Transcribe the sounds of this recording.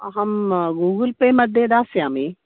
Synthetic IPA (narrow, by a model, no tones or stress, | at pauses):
ɦɐmɡuːɡəlpemɐd̪ʱẽd̪aːsjaːme